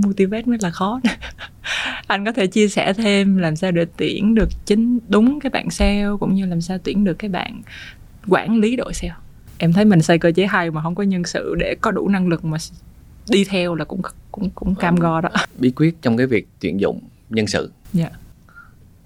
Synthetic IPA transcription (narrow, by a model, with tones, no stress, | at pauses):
mu˧t̪i˧vɛ˦˥t̚nɔ˨˦˥laː˨˩xɔ˨˦n˨˦ | ʔa˧jŋ̟kɔ˨˦t̪ʰe˧˩t͡ɕi˧əsɛ̰˧˩t̪ʰe˧mlaː˨˩msaː˧wɗe˧˩t̪i˧˩ənɗɨ˨˩ək̚t͡ɕï˨˦ŋ̟ɗʊ˨˦ŋ͡mkaː˨˦jɓa̰ː˧˨nsɛ˧wkʊ̰˧˥ŋ͡mɲɨ˧laː˨˩msaː˧wt̪wi˧˩ənɗɨ˨˩əkːaː˨˦jɓa̰ː˧˨n | kwaː˧˩nli˨˦ɗo̰˧˨jsɛ˧w | ʔɛ˧mt̪ʰə˨˦jmï˨˩ŋ̟sə˧jkəː˧t͡ɕe˨˦ɦa˧jmaː˨˩ɦə˧wŋ͡mkɔ˨˦ɲə˧nsɨ̰˧˨ɗe˧˩kɔ˨˦ɗṵ˧˩na˧ŋlɨ˨˩k̚maː˨˩ | ɗi˧t̪ʰɛ˧wlaː˨˩kʊ̰˧˥ŋ͡mkʊ̰˧˥ŋ͡mkʊ̰˧˥ŋ͡mkaː˧mɣɔ˧ɗɔ˨˦ɓi˨˦kwi˦˥ət̚t͡ɕɔ˧wŋ͡mkaː˨˦jvi˨˩k̚t̪wḭ˧˩ənzʊ̰˧˨ŋ͡m | ɲə˧nsɨ̰˧˨ɲaː˨ʔ